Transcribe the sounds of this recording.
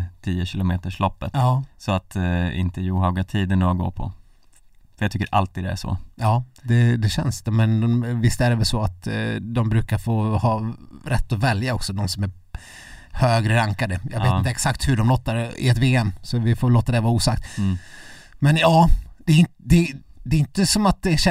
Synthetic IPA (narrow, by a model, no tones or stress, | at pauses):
t̪ʰiːəɕɪlʊmeːt̪əʂlɔpːət̪ɑːsɔat̪ɪ̰nt̪əjuːhøːɡat̪ʰiːd̪ənoːɡo̰ːpʰɔ̰ | fœɾjat̪ʏkːəɾʔa̰lt̪iːd̪d̪ɛæ̰ʂɔ̰jɑːd̪ɛd̪ɛɕɛ̰nsmɛnvɪst̪æɾɛvɛlsɔat̪d̪ɔmbɾʉ̟ːkaɾfoːhɑːɾɛt̪ːɔvɛljaɔksɔd̪ɔmsɔmæɾ | høːɡɾəɾaŋkad̪əjɑːɡveːt̪t̪ɛksakt̪hɵɖɔmloːt̪ːaɾɪ̰ɛt̪veːɛmsɔvɪfoːɛlːoːt̪ːad̪ɛvɑɾuːsakt̪ | mɛnjɑːd̪̥ɛɪnd̪ɛ | d̪ɛɪnt̪əsɔmat̪̚d̪ɛɕɛ